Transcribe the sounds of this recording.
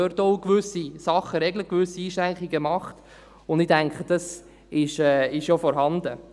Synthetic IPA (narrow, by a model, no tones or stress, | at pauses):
øɾtɔʊkʋʏsisɑχːəɾɛɡləkʋʏsːiiːʃɾæŋkiɡəmɑχt | ʊndɪdæŋkχəd̥ɑs | ɪʃɛːɪʃjofɔɾɦɑnd̥̪ə